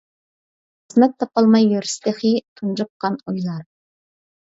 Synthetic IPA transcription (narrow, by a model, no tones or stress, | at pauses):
znɑp̚t̪ʰːɑpɑlˠmɑjːøɾst̪eχit̪ʰunʒəp̚qɑnojlˠɑɾ